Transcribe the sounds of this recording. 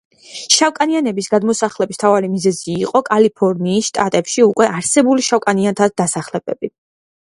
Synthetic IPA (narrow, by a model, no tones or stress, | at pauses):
ʃawkʼanianɛbisɡad̪mɔsaχlɛbist̪ʰavaɾimizɛziːqʼɔkʼalipʰɔɾniːsʃt̪ʼat̪ʼɛpʃiukʼwɛʔaɾsɛbuliʃawkʼaniant̪ʰad̪̚d̪asaχlɛb̥ɛbi